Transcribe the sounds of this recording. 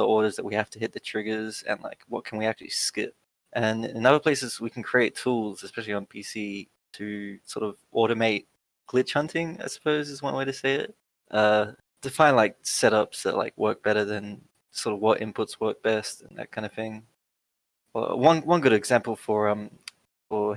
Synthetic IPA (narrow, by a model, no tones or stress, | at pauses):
ðiʔɔɹɾə˞zðɨt̚wihæftɨɦɪt̪̚ðɨtʰɹ̥ɪɡə˞zɨ̰̃nla̰ɪkwʌt̚kʰn̩wiæk̚t͡ʃʉl̩ˠḭskɪ̰p̚ | ʔɨ̃nɪ̃nʌðə˞pʰl̥eɪsɨzwikʰn̩kʰɹ̥ieɪtʰulˠzɨspɛʃl̩ˠiə̃npʰisi | ɾɨsɔɹɾʌvʔɔɹɾɨmeɪt̚ | ɡ̥lɪt͡ʃhʌ̃ntʰɪ̃ŋa̰ɪsə̥pʰoʊzɨzwʌ̃nweɪɾɨseɪɪ̰t̚ | ʔʌ | tʰɨfãɪ̃ndlaɪk̚sɛɾʌpsðə̰ʔla̰ɪkwɜ˞k̚b̥ɛɾə˞ðɨ̃n | sɔɹɾʌvwʌɾʔɪ̰̃mpʰʊtswɜ˞k̚b̥ɛstɨ̰̃n̩ðɨ̰t̚kʰãɪ̃ndəv̥θɪ̃ŋ | wʌ̰wʌ̃nwʌ̃nɡʊɾɨɡzæ̃mpl̩ˠfə˞ʌ̃m | fə˞